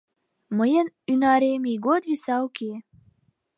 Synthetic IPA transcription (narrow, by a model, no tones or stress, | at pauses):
məjən | ynɑɾemiɡod̪visɑoke